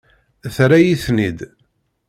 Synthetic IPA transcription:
θɾæjiθnid̪

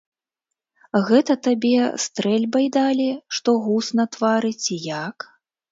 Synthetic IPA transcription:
ɣɛt̪ɐt̪abʲɛst̪ɾɛlʲbɐjd̪alʲiʂt̪ɔɣusnɐt̪vaɾɨt͡sʲijak

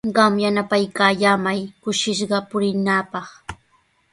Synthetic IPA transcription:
ɢɑmjanapajkaːʎaːmajkʊʃɪʃɢɑpʊɾɪnaːpɑχ

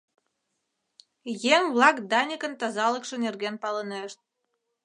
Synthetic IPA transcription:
jeŋβlɑkd̪ɑnʲikə̆nt̪ɑzɑlə̆kʃə̆nerɣenpɑləneʃt̪̚

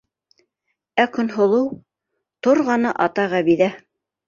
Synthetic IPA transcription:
ækɵ̆nɦŏlˠɤw | t̪oɾʁɑnɤʔɑt̪ɑʁæβiðæ

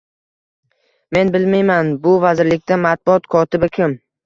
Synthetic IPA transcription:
me̞nbɪlmajmanbʊvazɪɾlɪk̚ʲt̪amat̪̚bʊɒt̪kʰɒt̪ɪbɪkʲʰɪm

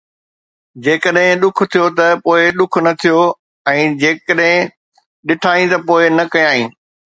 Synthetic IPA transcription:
d͡ʑeːkəɗɦɪ̃ɗʊk̆ʰt̪ʰijot̪ɐpoːɪɗʊkʰʊnɐt̪ʰijo | ɛ̃ːd͡ʑeːkəɗɦɪ̃ | ɗɪʈʰaːĩt̪ɐpoːɪnɐkɐjãːĩː

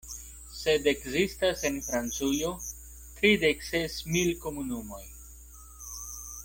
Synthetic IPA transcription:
se̞de̞kzistase̞nfɾant͡sujo̞ | tɾide̞kse̞smilko̞munumo̞j

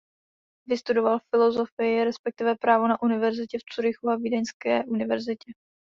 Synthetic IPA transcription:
vɪst̪udo̞valfɪlo̞zo̞fɪjɪɾɛspɛk̚t̪ɪvɛpɾaːvonaʔunɪvɛɾzɪcɛft͡suɾɪxuavidɛnskɛːʔunɪvɛɾzɪcɛ

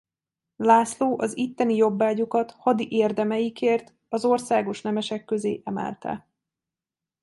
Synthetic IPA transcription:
laːsloːʔɒzit̪ːɛnijo̞bːaːɟukɒt̪hɒd̪iʔeːrd̪ɛmɛjikeːrt̪ | ɒzo̞rsaːɡo̞ʃnɛmɛʃɛkːø̞zeːʔɛmɛ̰lt̪ɛ̰

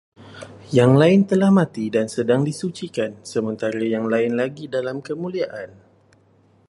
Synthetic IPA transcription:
jaŋlaɪnt̪əlahmãt̪idansədaŋdisut͡ʃikansəmə̃nt̪aɾajaŋlaɪnlaɡidalamkəmũliaʔan

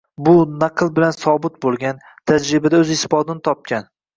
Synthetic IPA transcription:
bʊnɑqʰɨlˠbɪlansɒbɪt̪̚bolˠɡʲan | t̪ʰad͡ʒɾɪbad̪aɵzɪsbɒd̪ɪnɪt̪ʰɒp̚kʲan

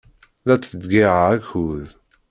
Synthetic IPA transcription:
læt͡sːəd̪ɡiʕaæçuð

